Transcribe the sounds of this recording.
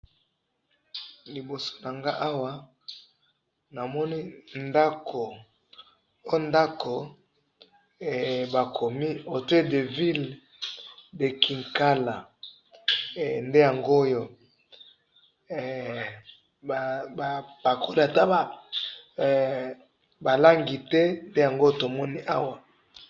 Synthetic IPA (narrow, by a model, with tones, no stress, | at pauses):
li˨bo˨so̥˦na˨ŋɡa˦ʔa˦wa˦ | na˨mɔ˦ni˦nda˦kʰo˨ | o˦nda˦ko˨ | ba˨kʰo˨mi˦o˨te˦de˨vi˦l | de˨kʰi˨ŋka˦la˨ | nde˦ja˨ŋɡo˦o˦jo˦˨ | bb̥a˨kʰo˦la˨ta˦ba˨ | ba˨la˦ŋɡi˨tɛ˦nde˦ja˨ŋɡo˦to˨mɔ˦ni˦ʔa˦wa˨